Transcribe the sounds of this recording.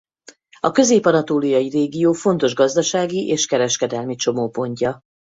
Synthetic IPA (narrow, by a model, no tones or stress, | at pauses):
ɒkø̞zeːpɒnɒt̪oːlijɒjireːɡijoːfo̞nt̪o̞ʒɡɒzd̪ɒʃaːɡiʔeːʃkɛɾɛʃkɛd̪ɛlmit͡ʃo̞moːpo̞ɲcɒ